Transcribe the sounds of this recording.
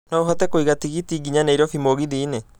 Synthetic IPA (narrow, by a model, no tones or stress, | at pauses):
nɔoɦatɛkoiɣatiɣitiɡiɲaneiɾɔfimoɣiðiːne